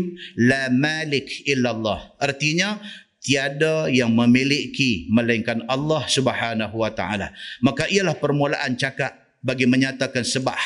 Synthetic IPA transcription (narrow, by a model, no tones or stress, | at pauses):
lamalɪkʔɪlːalːɑhʔərt̪iɲa | t̪iadajaŋmə̃milɪʔkimə̃laiŋkanɑlːɑhsubəhanaɦuwat̪a̰ʔa̰la̰makaʔialahpərmula̰ʔant͡ʃakat̪̚ | baɡiməɲat̪akansəbap̚